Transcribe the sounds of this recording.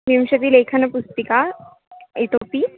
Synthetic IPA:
ʋimɕɐt̪iːleːkʰənɐpust̪ika | et̪oːpi

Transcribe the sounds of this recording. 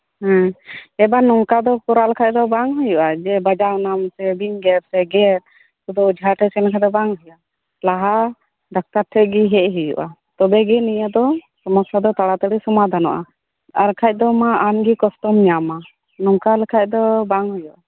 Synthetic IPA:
hãɛbanɔŋkad̪ɔkɔɾalɛkʰac̚ˀd̪ɔbaŋɦujuʔad͡ʒɛbad͡ʒaʔnamsɛbiɲɡɛɾsɛɡɛt̪̚ | sud̪ɔd͡ʒaʈɛsɛnakʰad̪ɔbaŋɦujuʔa | laɦa | ɖak̚t̪aɾʈʰɛɡiɦɛʔɦujṵʔat̪ɔbɛɡɛnijəd̪ɔsɔmɔst̪ʰad̪ɔt̪aɽat̪əɽisɔmad̪ʱanɔ̰ʔa̰ | aɾkʰac̚ˀd̪ɔmaamɡikɔst̪ɔmɲama | nɔŋkalɛkʰac̚ˀd̪ɔbaŋɦujuʔa

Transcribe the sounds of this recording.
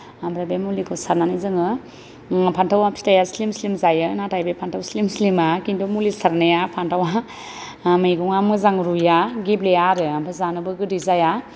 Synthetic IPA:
ambɾajbemulikʰɯsaɾnanizɯŋɯ | pʰantʰawapʰi̥tajaslimslimzajɯnatʰajbepʰantʰawslimslimakintumulisaɾnajapʰantawa | majɡuŋamɯzaŋɾujaɡiblejaɾɯampʰezanɯbɯɡɯdizaja

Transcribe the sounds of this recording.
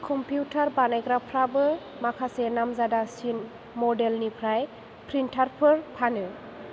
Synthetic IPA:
kʰɔmpʰjutʰaɾbanajɡɾapʰɾabɯ | makʰasenamzadasin | mɔdelnipʰɾaj | pʰɾintʰaɾpʰɯɾpʰanɯ

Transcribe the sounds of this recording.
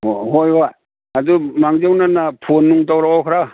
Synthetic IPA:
oɦojɦoj | adumaŋd͡ʒewnanapʰonːuŋtawɾaɔkʰɾa

